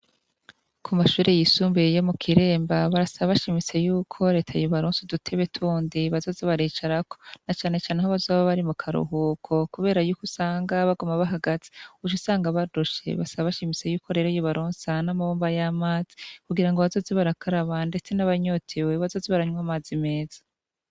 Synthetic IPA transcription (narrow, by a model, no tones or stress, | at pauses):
kʰumaʃuːɾejisuːmbejo̞mukʰiɾe̞ːmbaβaɾasaβaβaʃimise̞juːkʰo̞ɾe̞ːtʰajoβaɾoːnsedutʰe̞βetʰuːndiβazo̞ziβaɾiːt͡ʃaɾako̞nat͡ʃaːne̞t͡ʃaːnehoβazoβaβaɾimukʰaɾṵɦukʰo̞kuβe̞ːɾajuːkusaːŋɡaβaɡomaβaɦaɡat͡si̥ut͡ʃusaːŋɡaβaduʃe̞̰βasaβaβaʃimise̞juːkʰo̞ɾeːɾojoβaɾoːnsanamaβoːmbajaːmaːz̥i̥kuɡiɾaŋɡoβazo̞ziβaɾakʰaɾaβande̞t͡se̞naβaɲotʰewe̞βazo̞ːziβaɾaɲwaːmaːzime̞ːz̥ḁ